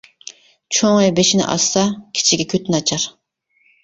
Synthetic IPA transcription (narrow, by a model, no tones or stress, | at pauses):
t͡ʃʰoŋɑjbeʃinɪ̰ʔɑ̰sːɑkʲʰi̥t͡ʃʰiɡʲɛkʲʰøt̪ɪnɑt͡ʃʰɑɾ